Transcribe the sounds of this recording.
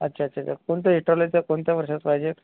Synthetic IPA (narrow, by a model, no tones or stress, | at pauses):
ətːt͡ɕʰaːtːɕʰat̪jakoɳt̪eɦiʈaʋlejt̪jakoɳt̪jaʋəɾʂat͡spaɦid͡ʑe